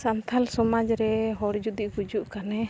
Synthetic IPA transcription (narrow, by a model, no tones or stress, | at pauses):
sant̪ʰalsɔmad͡ʒɾɛɦɔɽd͡ʒud̪iʔkud͡ʒuʔkanɛ